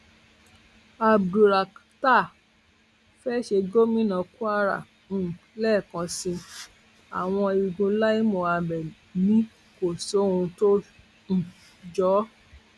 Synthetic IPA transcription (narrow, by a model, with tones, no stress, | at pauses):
a˧bɾu˨ɾa˨ | ta˦˨ | fɛ˦ʃe˧ɡo˦mĩ˦nã˧ku˦a˦ɾã̰˨˧˨ | lɛ˦˨kã˧sĩ˧ | a˨w̃ɔ̃˧i˨ɡũ˧la˦i˦mɔ̃˨a˧bɛ˨nĩ˦ | ko˨so˨˦ũ˧to˦ | n̩˨ | d͡ʒɔ˨˦